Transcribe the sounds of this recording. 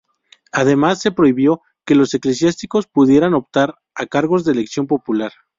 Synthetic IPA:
aðe̞masːe̞pɾo̞iβjo̞ | ke̞lo̞se̞kle̞sjast̪iko̞spuðje̞ɾano̞pt̪aɾ | akaɾɣo̞zðe̞leksjo̞mpo̞pulaɾ

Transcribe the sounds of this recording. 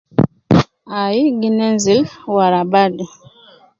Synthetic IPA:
ajiɡinɛnzilwaɾabadi

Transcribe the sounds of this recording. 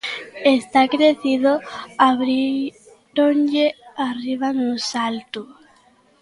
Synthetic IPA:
est̪akɾeθiðoaβɾi | ɾond͡ʒeariβ̞anʊsalt̪u

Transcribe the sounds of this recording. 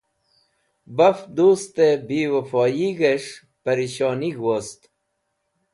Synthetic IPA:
bɐfd̪uːst̪ebiːwɐfɔːjiɣeʂ | pɐɾiɕɔːniɡwost̪

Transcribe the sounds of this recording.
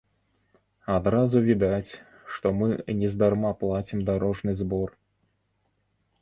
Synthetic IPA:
ad̪ɾazuvʲid̪at͡sʲ | ʂt̪ɔmɨnʲɛzd̪armaplˠat͡sʲimd̪aɾɔʐnɨzbɔr

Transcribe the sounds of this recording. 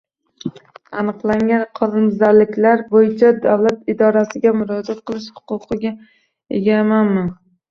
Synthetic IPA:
anɨqlˠaŋʲanqʰɒlɪmzaɾlɪkʲlaɾbojɪt͡ʃʰad̪awlat̪ɪd̪ɒɾasɪɡʲamʊɾɒd͡ʒat̪̚qʰɨlˠɪʃhʊ̥qʊqɨɡʲa | ḛɡʲamanman

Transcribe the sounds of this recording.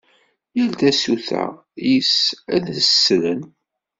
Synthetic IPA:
jəld̪æsuθæ̰ | jisæðəsːlən

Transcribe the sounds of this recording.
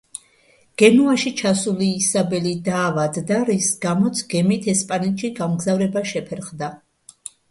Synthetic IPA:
ɡ̥ɛnuaʃit͡ʃʰasuliːsabɛlid̪aːvad̪ːaɾisɡamɔt̪sʰɡ̥ɛmit̪ʰɛspʼanɛt̪ʃiɡamɡzavɾɛbaʃɛpʰɛɾχd̪a

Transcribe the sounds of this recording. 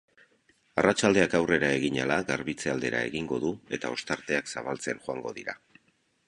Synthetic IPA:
arʔat͡ʃald̪e̞akawre̞ɾae̞ɣiɲalaɣaɾβit͡seald̪e̞̰ɾa̰e̞̰ɣiŋɡo̞ðue̞t̪ao̞st̪aɾt̪e̞aksaβalt͡se̞nʝoaŋɡo̞ðiɾa̰

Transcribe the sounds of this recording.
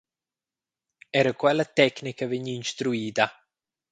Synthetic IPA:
ɛɾəkwɛlːat̪ɛknikavɛɲːiːnst̪ɾuiːt̪a

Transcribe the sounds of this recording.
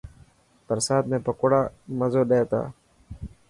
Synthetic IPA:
pəɾsaːt̪mẽːpəkːɽaːməzoːɗeeːt̪a̰ː

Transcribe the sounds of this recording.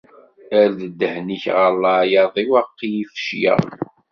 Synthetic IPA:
æɾðəd̪ːəhniçʁəlˤːɑjɑðˤiwɑqːijifʃjə̰ˤ

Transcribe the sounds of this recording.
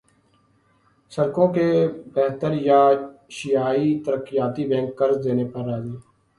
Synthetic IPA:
səɾkõːkeːbɛɦt̪əɾjaːʃɪjaːit̪əɾəkːɪjaːt̪iːbɛ̃ːŋkːəɾzd̪eːneːpəɾːaːzeː

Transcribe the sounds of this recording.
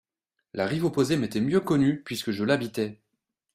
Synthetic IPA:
laʁivopozemet̪ɛmjøkɔnypɥiskəʒəlabit̪ɛ

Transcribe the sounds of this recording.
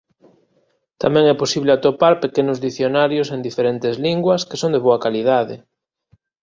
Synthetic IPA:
t̪amɛ̃ŋɛposiβleat̪opaɾpekenʊzðiθjonaɾjosend̪ifeɾent̪ezliŋɡwɐske̥sõŋd̪eβoɐkalið̞aðɪ

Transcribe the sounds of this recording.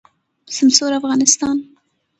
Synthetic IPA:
sɪmsoɾafɣɑnɪst̪ɑn

